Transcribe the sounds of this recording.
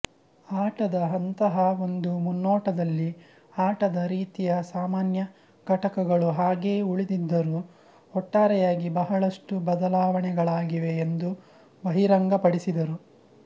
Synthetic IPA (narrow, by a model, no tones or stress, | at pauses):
aːʈɐd̪ɐɦɐnt̪ɐɦɐo̞nd̪umunːɔːʈɐd̪ɐlːi | aːʈɐd̪ɐɾiːt̪ijɐsaːmaːnjɐ | ɡ̥ʱɐʈɐkɐɡɐɭuɦaːɡeːuɭid̪id̪ːɐɾu | ɔʈːaːɾɛjaːɡibɐɦɐɭɐʂʈubɐd̪ɐlaːʋɐɳɛɡɐɭaːɡiʋeːnd̪u | bɐɦiɾɐŋɡɐpɐɽisid̪ɐɾu